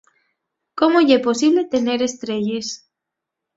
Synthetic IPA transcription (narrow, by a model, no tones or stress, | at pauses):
komoʝepo̞siβlet̪ene̞ɾest̪ɾeʎes